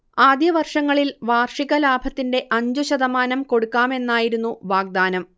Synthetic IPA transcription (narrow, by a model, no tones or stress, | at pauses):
aːd̪jɐʋɐrʂɐŋːɐɭilʋaːrʂiɣɐlaːbʱɐt̪ːinde̞ʔɐɲd͡ʑuɕɐd̪ɐmaːnɐmko̞ɽukːaːme̞nːaːjiɾunːuʋaːɡ̚d̪aːnɐm